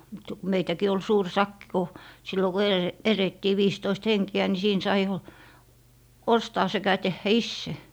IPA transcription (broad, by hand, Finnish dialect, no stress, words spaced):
mutːɑ ku meitækiː ol suːr sɑkːi ku silːo ku ele eretːiː ʋiːstoist heŋkiæ ni siːn sɑi jo ostɑː sekæ tehːæ isːe